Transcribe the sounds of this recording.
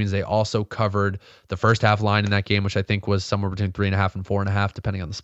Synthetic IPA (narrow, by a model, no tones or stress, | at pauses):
ĩnzðeɪʔɔlˠsoʊkʰʌvə˞d̪̚ | ðɨfɜ˞st̚hæflãɪ̃nɨ̃nðɨt̚ɡ̥ẽɪ̃mwɨt͡ʃaɪθɪ̃ŋkwʌz̥sʌ̃mwɛɹbɨtʰwĩnθɹiɨ̃nɨɦæfn̩fɔɹə̃ñɨɦæfd̥ɨpʰɛ̃ndɪ̃ŋn̩ðəs